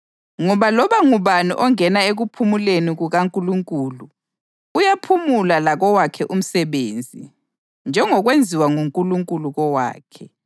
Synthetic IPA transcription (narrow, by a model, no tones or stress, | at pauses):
ŋɔβalɔβaŋuβanṵʔɔŋɛnaeɣupʰumuleniɣuɣaŋkʼuluŋkʼuːluː | japʰumulalaɣɔwakʰɛʔum̩sɛβeːnd͡zʱi | nd͡ʒʱɛŋɔɣwend͡zʱiwaŋuŋkʼuluŋkʼuluɣɔwa̰ːkʰɛ